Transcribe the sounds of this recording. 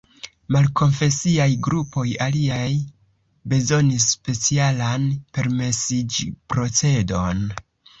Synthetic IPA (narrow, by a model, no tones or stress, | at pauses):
malko̞nfe̞siajɡɾupo̞jaliaj | be̞zo̞nis̬ːpe̞t͡sialanpe̞ɾme̞sid͡ʒipɾo̞t͡se̞do̞n